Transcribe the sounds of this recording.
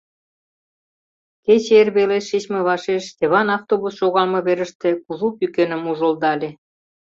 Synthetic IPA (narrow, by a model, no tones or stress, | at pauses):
ket͡ɕeerβeleʃit͡ɕmeβɑʃeʃt̪ʲeβɑnɑft̪oβusʃoɣɑlmɤ̆βeɾə̆ʃt̪ĕkuʒupykenə̆muʒə̆ld̪ɑlʲe